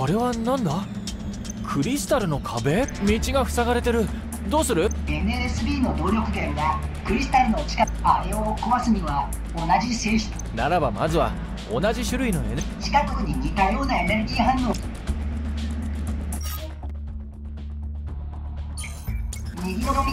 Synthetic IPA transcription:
oɾe̞βanãnd̪a | kʰɯ̟ɾʲisɨ̥t̪aɾɯ̟no̞kʰabe̞mʲit͡ɕiɡaɸɯ̟̥saɡaɾe̞t̪e̞ɾɯ̟ | d̪o̞ːsɨɾɯ̟e̞neesɨbʲiːno̞d̪o̞ːɾʲo̞kɯ̟ɡ̪ẽŋɡakɯ̟ɾʲisɨ̥t̪aɾɯ̟no̞t͡ɕi̥ka | aɾeokoβasɨɲ̟iβa | onaʑiseːçi̥t̪ | naɾabamazɨβa̰ | o̞̰naʑiɕɨɾɯ̟ino̞ḛnt͡ɕi̥kakɯɯɲ̟iɲʲit̪ajo̞ːnae̞ne̞ɾɯ̟ɡʲiːɦãnːo̞ː | ɲʲiɡʲinokomʲi

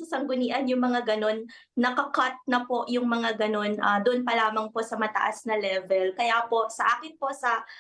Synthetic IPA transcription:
sɐsɐŋɡʊniːʔɐnjʊŋmɐŋaɡɐno̞nː | ɐkɐkɐt̪̚nɐpo̞ʔjʊŋmɐŋaɡɐno̞nʔɐd̪ʊʔnpɐlaːmɐŋpo̞sɐmɐt̪ɐ̰ʔasnɐlɛvɛlkɐjaːpo̞ʔsɐʔaːkɪnpo̞sɐ

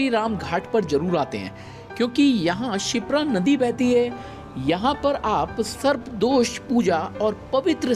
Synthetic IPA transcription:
iɾaːmɡʱaːʈʰpɐɾzɐɾuːɾaːt̪eɦɛ̰̃ː | kjõːkijɐɦãʃɪpɾanɐd̪ibɛːt̪iɦɛː | jɐɦãpɐɾaːpsɐɾbd̪oːʃpuːd͡ʒaɔːɾpɐʋɪt̪ɾə

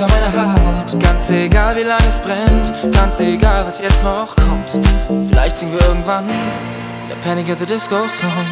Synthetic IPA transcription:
amaɪnəɦaatɡ̥ant͡seɡaːlviːlaŋəɛsb̥ʁɛntɡ̥ant͡seɡaːlvasjɛt͡stnɔχaxkʰɔmtfɪla̰ɪçtz̥ɪŋənviɐʔɪɐɡŋ̩tv̥an | d̥ḛɐpʰɛnɪkɛðədɪskoʊsɔ

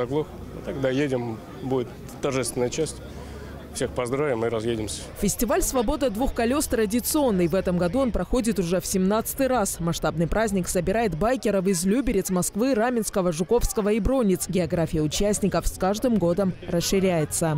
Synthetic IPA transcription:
ɐɡlˠox | ɨt̪ɐɡd̪ajedʲɪm | budʲɪt̪ | t̪ːɐrʐɛst̪vɪnəjət͡ɕæsʲtʲ | fsʲexpɐzd̪ɾavʲɪmɨɾɐzjedʲɪmsʲə̥fʲɪsʲtʲɪvalʲsvɐbo̞d̪əd̪vuxkɐlʲo̞st̪ɾədʲɪt̪sɨo̞nːɨjvɛt̪əmɡɐd̪uo̞npɾɐxo̞dʲɪt̪ʊʐɛfsʲɪmnat̪sɨ̥t̪ɨjɾasmɐʂt̪abnɨjpɾazʲnʲɪksəbʲɪɾajɪt̪bajkʲɪɾəvɪzlʲubʲɪɾʲɪt̪smɐskvɨɾamʲɪnskəvəʐʊko̞fskəvəibɾo̞nʲɪt̪sɡʲɪɐɡɾafʲɪjəʊt͡ɕæsʲnʲɪkəfskaʐd̪ɨmɡo̞d̪əmrəsʂɨɾʲæjɪt̪sə

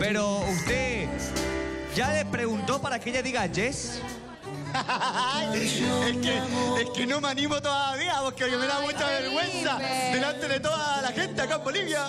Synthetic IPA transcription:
pe̞ɾoust̪e | ʝalepɾeɣunt̪o̞paɾakeʎaðiɣad͡ʒes | jeskeeskenõmanĩmot̪oðaaβiapokekemeðamut͡ʃaβe̞ɾɣwe̞nsad̪e̞lant̪e̞ðet̪o̞ðalaxẽ̞nt̪eakaembo̞liβja

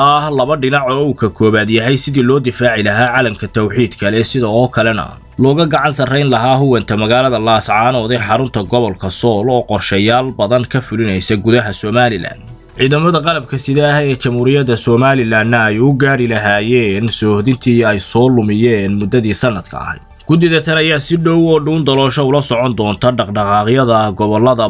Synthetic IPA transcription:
ʔɐhlɐβɐɖɪnɑʕɔuːkʰɐkʰɔːβaːd̪jɐɦɛjsɪðiːlɔːd̪ɪfaːʕɪlɐɦaːʕɑːlɐmkʰɐt̪ʰɐwħiːd̪kʰɐlɛsɪðɐɔːkʰɐlɛnɐ̰ | lɔːɣɐɡɑʕɑnsɐrɛjnlɐɦaːɦʊwɛnt̪ʰɐmɐɣaːlɐðɐlaːsʕɑːnɔːðɛjħɑɾʊnt̪ʰɐɡɔβɔlkʰɐsɔːlɔːqɔrʃɛːjaːlbɐðɐŋkʰɐfʊlɪnɛjsɐɡʊðɐɦɐsɔːmaːlɪla̰ːn | ʕiːðɐmɐðɐqɑlɐb̚kʰɐsɪðɛːhɛːt͡ʃɐmhuːɾɪjɐd̪ɐsɔːmaːlɪlaːnːɐːjʊɡaːɾɪlɐɦaːjɛːnsɔːhðɪnt̪ʰiːɛjsɔːlʊmɪjɛːnmʊd̪ːɐðiːsɐnːɐd̪̥kʰɐ̰ɐ̰hɛ̰jd̪ɡ̥ʊd̪ɪðɐt̪ʰɐlɐjaːsɪɖɔwɔːɖuːnd̪ɐlɔːʃɐʊlɐsɔʕɔnd̪ɔːnt̪ʰɐɖɑqɖɑqɑːqɪjɐðɐɡɔβɔlːɐðɐ

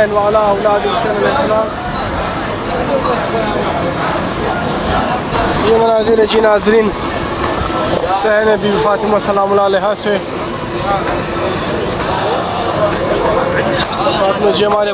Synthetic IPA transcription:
nʋaːlaːɐwlaːd̪iksɐnɐlesɐlaːm | d͡ʒiːmɐnaːziɾɐd͡ʒiːnaːzɾiːn | sɐɦɐɾebiːbifaːt̪imasɐlaːmulaːleɦaːse | ɐsaːt̪med͡ʒiːɐmaːɾe

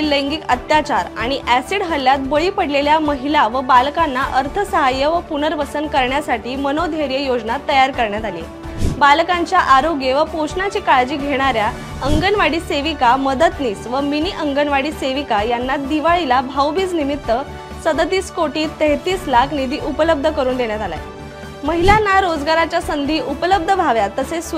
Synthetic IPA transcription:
ləŋɡiːkət̪jat͡ɕaɾaɽ̃iʔæsiɽɦəljat̪̚bəɭiːpəɽleljaməɦilaʋəbalkanːaʔəɾt̪ʰəsəɦajːəʋəpunəɾʋəsənkəɾɳjasaʈiːmənod̪ʱeɾjəjod͡ʑnat̪ːəjaɾkəɾɳjat̪alijḛ | balkãɲt͡ɕjaʔaɾoɡjeʋəpoɕnat͡ɕiːkaɭd͡ʑiːɡʱeɽ̃aɾja | əŋɡənʋaɽiːseʋikaməd̪ət̪niːsʋəminiʔəŋɡənʋaɽiːseʋikajanːad̪iʋaɭilabʱawbiːt͡snimit̪ːə | səd̪ət̪iːskoʈiːt̪ːeɦt̪iːslakʰnid̪iːʔupələb̚d̪ʱəkəɾuːnd̪eɳjat̪ala̰j | məɦilanaɾod͡zɡaɾat͡ɕjasənd̪ʱiːʔupələb̚d̪ʱəbʱaʋjat̪əses

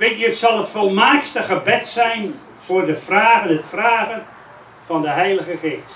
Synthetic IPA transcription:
ʋetjətsɑlˠətfolˠmaːkstəχəbɛtsɛjn | v̥ʊːrdəfraːɣənətfraːɣən | vɑndəɦɛjləɣəχeːst

